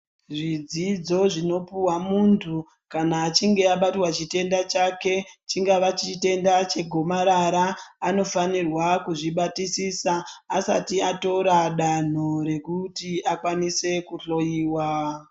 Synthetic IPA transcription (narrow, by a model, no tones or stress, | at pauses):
ʐid͡zid͡zo̞ʐino̞puwamuntʰu | kanaːt͡ʃiŋɡe̞aɓatwat͡ʃite̞ndat͡ʃake̞t͡ʃiŋɡaʋat͡ʃite̞ndat͡ʃe̞ɡʱomaɾaɾaːno̞fanirwakuʐiɓatisisaːsa̰tiato̞ɾaɗan̤o̞ɾe̞kutiʔakwanise̞kuɬo̞jiːwa